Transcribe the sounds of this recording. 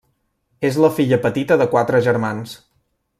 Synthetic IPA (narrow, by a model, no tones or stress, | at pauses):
ezləfiʎəpət̪it̪əðəkwat̪ɾəʒəɾmans